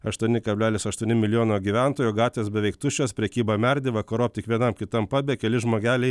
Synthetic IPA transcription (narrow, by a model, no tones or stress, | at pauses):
ɐʃt̪uɔnʲɪkɐbʲlʲæːlʲɪsɐʃt̪uɔnʲɪmʲɪlʲɪjoːnoːɡʲiʋʲænt̪oːjuːɡɑːt̪ʲʋʲeːsbʲɛʋʲɛɪkt̪ʊʃʲoːspʲɾʲɛkʲiːbɐmʲɛɾʲd̪ʲɪʋɐkɐɾoːp̚t̪ʲɪkʋʲiɛnɐmkʲɪt̪ɐmpɑːbʲɛːkʲɛlʲɪʒmoːɡʲæːlʲɛɪ